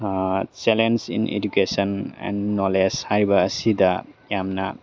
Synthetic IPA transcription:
t͡ʃɛlensḭnḛdukesɔnɛ̰nːɔleshaɾibaːsidajamna

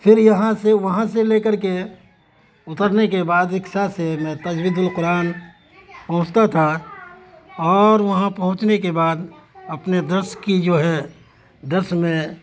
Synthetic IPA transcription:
fʰɪɾjɐɦãseʋɐɦãseleːkəɾke | ʊt̪əɾnekebaːd̪ɪkʃasemɛ̃t̪ɐd͡ʒwid̪ʱʊlqʊɾaːn | pɐɦʊ̃t͡ʃt̪at̪ʰa | ɔːɾʋɐɦãpɐɦʊ̃t͡ʃnekebaːd̪ɐpned̪əɾskid͡ʒoːɦɛ | d̪əɾʃmẽ

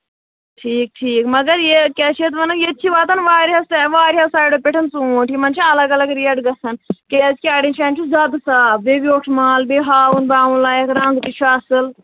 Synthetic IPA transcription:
ʈʰiːk̚ʈʰiːkmɐɡɐɾjekʲat͡ʃʰet̪ʋɐnɐjet̪̚t͡ʃʰiʋaːt̪ɐnʋaːɾiɦɐst̪eʋaːɾiɦɐsaːjɖopʲeʈʰɐnt͡sũːʈʰimɐnt͡ʃʰiɐlɐɡɐlɐɡɾiɐɖɡɐsɐnkezkʲiaːɽent͡ʃʰaːnʲt͡ʃʰuzɐd̪ɨsaːbbebioːʈʰmaːlbeɦaːunbaːũlaːjekɾɐ̃nɡ̪p̪it͡ʃʰuɐsɨl

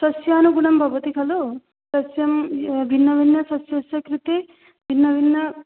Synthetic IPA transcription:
sɐsjaːnuɡunɐmbʱɐʋɐt̪ikɐlu | sɐsjɐmbʱinːɐʋinːɐsɐsjɐsjɐkɾut̪i | bʱinːɐʋinːɐ

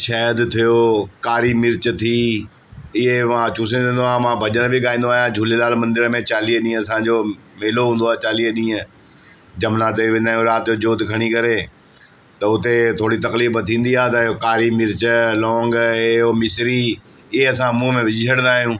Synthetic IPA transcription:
ʃɛːəd̪t̪ʰijokaːɾimɪɾt͡ɕət̪ʰi | ɪɦeʋãt͡ɕuːsə̃nẽːnd̪oaːmãbʱɐʄəɽ̃bʱɪɠaːĩːn̆d̪oaːijãd͡ʑʱulelaːlmɐ̃nd̪ɪɾəmẽt͡ɕaːliːɦəɗĩːə̃ɐsãd͡ʑo | meːloɦũːnd̪oaːt͡ɕaːliːəɗĩːə̃ | d͡ʑɐmnaːt̪ebʋẽnd̪aːɦjũɾaːt̪ɪjod͡ʑoːt̪kʰɐɽ̃ikɐɾe | t̪ɐʊt̪et̪ʰoːɽit̪ɐkliːbət̪ʰĩːnd̪iaːt̪ɐɪɦokaːɾimɪɾt͡ɕəlɔːŋɡomɪsɾi | ɪɦeɐsãmũːmẽʋɪd͡ʑʱɪd͡ʒʰəɽ̃nd̪aːɦijũː

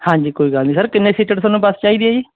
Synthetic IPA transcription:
hãːɲd͡ʒiːkoːiːɡəlniːsəɾkɪnːeːsiːʈəʈsaːnːũːbəst͡ʃaːiːd̪iaːd͡ʒiː

